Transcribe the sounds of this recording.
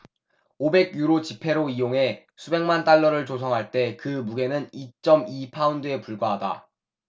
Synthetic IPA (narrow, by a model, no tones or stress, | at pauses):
obe̞ɡ̚juɾot͡ɕipʰe̞ɾoijoŋɦe̞ | sʰube̞ŋmant͈aɭːʌɾɯɭt͡ɕosʰʌŋɦaɭt͈e̞kɯmuɡe̞nɯnit͡ɕ͈ʌmipʰaundɯe̞puɭɡwaɦada̰